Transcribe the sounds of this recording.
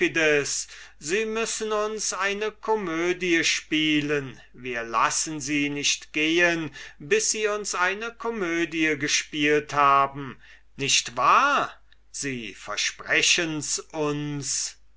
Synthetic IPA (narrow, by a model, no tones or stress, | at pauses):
idəsz̥iːmʏsənʊnsʔaɪnəkʰɔmøːdiəʃpiːlən | viːɐla̰sn̩ziːnɪɕtɡ̥eːənbɪsz̥iːʊnsʔaɪnəkʰɔmøːdiəɡəʃpiːlthaːbm̩ | nɪɕtv̥aːɐ | z̥iːfɛ̰ɐʃpʁ̥ɛɕənsʔʊns